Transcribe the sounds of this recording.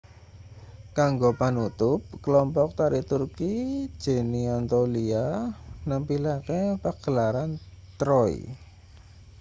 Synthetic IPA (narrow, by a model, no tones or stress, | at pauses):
kaŋɡopanut̪ʊp̚kəlɔmpɔk̚t̪aɾit̪urki̥ʒ̥e̤niɔnt̪olianampilakepaɡ̥əlaɾan | t̪ɾɔḭ